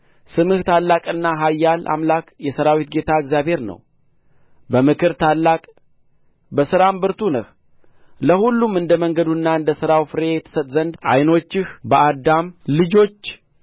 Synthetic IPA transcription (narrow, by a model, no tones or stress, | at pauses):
sɨmɨht̪ʰalːakʼɨnːaɦajːalʔa̰mlakjɛsəɾawit̪̚ɡe̞t̪ʰaɨɡzjaβhe̞ɾnə̰w | bəmɨkʰɨɾt̪ʰalːakʼ | bəsɨɾambɨɾt̪ʰunəh | ləhulːumɨnd̪əməŋɡəd̪unːaɨnd̪əsɨɾawfɨɾejɛt̪ʰə̥sət̪ʼzənd̪ʔa̰jno̞t͡ʃːɪhbəʔad̪amlɨd͡ʒo̞t͡ʃː